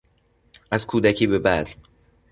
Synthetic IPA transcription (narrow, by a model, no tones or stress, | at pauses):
ʔæzkʰuːd̪æcʰiːbe̞bæ̰d̪̥